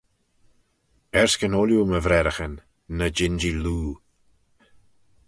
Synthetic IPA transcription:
ɛɹskənɔljuməvɾɛɾəxənː | əd͡ʒɪnd͡ʒiluː

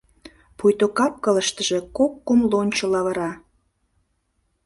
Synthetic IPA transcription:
pujt̪okɑp̚kələʃt̪əʒe̽kokːumlonʲt͡ɕolɑβəɾɑ

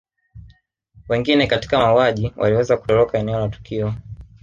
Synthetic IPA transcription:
wɛŋɡinɛkati̥kaauaʄiwʔa̰liwɛzaku̥tɔlɔkaɛnɛɔlatu̥kʰiɔ

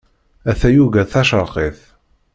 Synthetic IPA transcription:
æθæjuɣæθæʃəɾˤqeθ

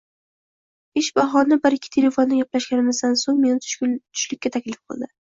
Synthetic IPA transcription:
ɪʃbɑɦɒnɪbɪɾɪkʲʰːɪ̥t̪ʰe̞le̞fo̞nːɪjaplaʃɡʲanɪmɪzd̪ansoŋme̞nɪt̪ʰʊ̥ʃʲt̪ʰʊ̥ʃlɪkʲːat̪ʰakʲlɪfqʰɨ̰lˠd̪ɪ

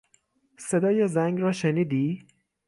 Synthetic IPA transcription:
se̞d̪ɒːjezæŋɡɾɒːʃeniːd̪iː

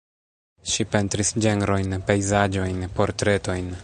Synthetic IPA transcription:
ʃipe̞ntɾisd͡ʒenɾo̞jnpe̞jzad͡ʒo̞jnpo̞ɾtɾe̞to̞jn

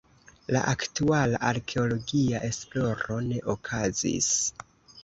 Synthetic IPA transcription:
la̰ʔaktualaʔaɾkʰe̞o̞lo̞ɡiaʔe̞splo̞ɾo̞ne̞ʔokʰazḭs

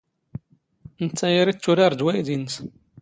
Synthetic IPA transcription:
nət͡sːæjiɾit͡sːuɾaɾˤd͡ʒwæjd̪ins

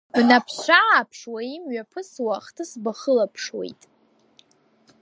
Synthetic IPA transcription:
b̥napʰʃʷaːpʰʂwaimɥapʰɨswaχtʰɨsbaχəlapʰʂwḛjtʼ

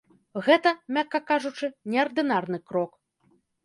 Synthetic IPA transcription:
ɣɛt̪ɐmʲakːɐkaʐut͡ʂɨnʲɛɐrd̪ɨnarn̪ɨkɾɔk

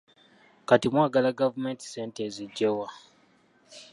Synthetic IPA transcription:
katimwaːɡalaɡavume̞nti̥seːnteziɟːewa

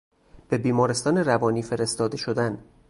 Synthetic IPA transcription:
b̥e̞biːmɒːɾest̪ɒːneɾævɒːniːfe̞ɾe̞st̪ɒːd̪e̞ʃod̪æn

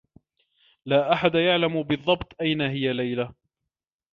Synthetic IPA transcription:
laːʔaħad̪ajaʕlambɨðˤːɑbt̪ˤʔajnaɦɪjalajla

